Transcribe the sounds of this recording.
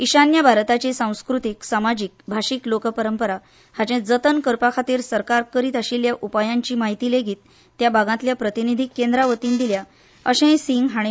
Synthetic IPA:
iɕanjabʱaɾt̪at͡ɕesãw̃skɾut̪iksamad͡ʑik̚bʱaɕiklokəpəɾəmpəɾa | hat͡ɕẽd͡zət̪ənkəɾpakʰat̪iːɾsəɾkaɾkəɾiːt̪aɕiljaʔupajaɲt͡ɕiːmaɦit̪ileɡʱiːt̪ː | jabʱaɡãt̪ljapɾət̪inid̪ʱikːend̪ɾaʋət̪iːnd̪ilja | əɕɛ̃siŋɡɦaɽ̃i

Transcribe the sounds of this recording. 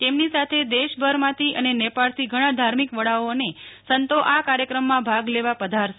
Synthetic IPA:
t̪emnisat̪ʰed̪eʃbʱəɾmãt̪ʰiʔənenepaɭt̪ʰiɡʱəɽ̃ãd̪ʱaɾmikʋəɽaonesənt̪oʔakaɾjəkɾəmːãbʱaɡleʋapəd̪ʱaɾʃ

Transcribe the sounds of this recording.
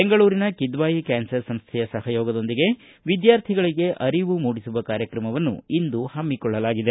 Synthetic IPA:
beŋɡɐɭuːɾinɐkid̪ʋaːjikaːnsɐɾsɐmst̪ʰɛjɐsɐhɐjoːɡɐd̪o̞nd̪iɡe̞ | ʋid̪jaːɾt̪ʰiɡɐɭiɡe̞ʔɐɾiʋumuːɽisuʋɐkaːɾjɐkɾɐmɐʋɐnːṵind̪uhɐmːikɔɭːɐlaːɡid̪e

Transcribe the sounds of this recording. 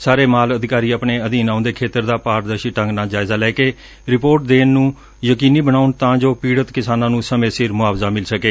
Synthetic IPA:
saːɾeːmaːləd̪ɪkaːɾiːəːpɳeːəd̪iːnaːʊnd̪eːkʰeːt̪əɾd̪aːpaːɾd̪əɾʃiːʈə̃ŋɡnaːd͡ʒaːɪzaːlɛːkeː | ɾɪpoːɾʈ̚d̪eːnːũː | jəkiːniːbənaːʊnt̪ãːd͡ʒoːpiːɽət̪kɪsaːnãːnũːsəmẽːsɪɾmʊaːbzaːmɪlsəkeː

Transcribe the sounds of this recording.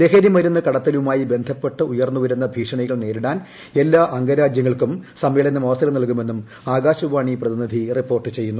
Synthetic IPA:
d̪eːɦeːðimɐɾunːɨkɐɽɐt̪ːɐlumaːjibe̞nd̪ʱɐpːe̞ʈːɨujɐrnːuʋɐɾunːɐbʱiːʂɐɳɐɣɐɭne̞ːɾuɽaːn | e̞lːaːʔɐŋɡɐɾaːd͡ʑjɐŋːɐɭkumsɐmʋeːlɐnːɐmɐʋɐsɐlɐmnɐlkume̞nːum | aːɡaːɕuʋaːɳiprɐðinid̪ʱiripːo̞ːrʈːɨt͡ɕe̞jːunːu

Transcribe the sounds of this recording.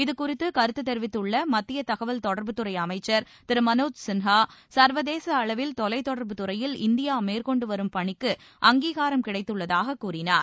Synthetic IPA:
ɪðɯkʊrɪt̪ːɯkɐɾɯt̪ːɯt̪ːɛɾʋɪt̪ːɯɭːɐmɐt̪ːɪjɐt̪ɐɣɐʋɐlt̪ɔɽɐɾbɯt̪ɯɾɐɪɐmɐɪt͡ʃːɐɾ | t̪ɪɾɯmɐnoːd͡ʒsɪnɦaːsɐɾʋɐðeːsɐːɭɐʋɪlt̪ɔlɐɪt̪ːɔɽɐɾbɯt̪ɯɾɐjɪlɪnd̪ɪjaːmeːɾkɔɳɖɯʋɐɾɯmpɐɳɪkːɯ | ʔɐŋɡiːɣaːɾɐmkɪɽɐɪt̪ːɯɭːɐðaːɣɐkːuːrɪnaːɾ

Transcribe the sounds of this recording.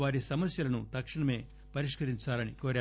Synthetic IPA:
ʋaːɾisɐmɐsjɐlɐnut̪ɐkʂɐɳɐme̞ː | pɐɾiʂkɐɾiɲt͡ʃaːlɐnikoːɾaː

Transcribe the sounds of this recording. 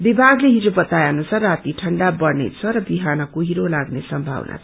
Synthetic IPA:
bibʱaɡleɦid͡zobʌt̪ajanosʰʌrat̪iʈʰʌɳɖabʌrnḛt͡sʰʌɾʌbiɦanʌkoɦiɾolaɡnesʌmbʱa̰wnʔa̰̥

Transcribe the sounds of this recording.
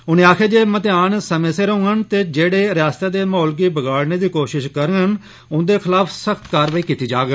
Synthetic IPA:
ʊnẽːaːkʰeːd͡ʒeːmət̪eaːnsəmẽːseːɾəʊ̃ːənt̪eːd͡ʒeːɽeːɾaːst̪eːd̪eːmɔːlɡiːbəɡaːɽneːd̪iːkoːʃɪʃkəɾən | ʊ̃nd̪eːkʰɪlaːpʰsəkʰt̪kaːɾʋəiːkiːt̪iːd͡ʒaːɡ

